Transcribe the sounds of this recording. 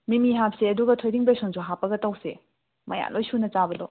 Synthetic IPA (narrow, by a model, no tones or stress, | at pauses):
mimiɦap̚seɐduɡɐtʰojdiŋbesonsuɦapːɐɡɐtɐwse | mɐja̰nlʔojsunɐt͡ʃabɐdɔ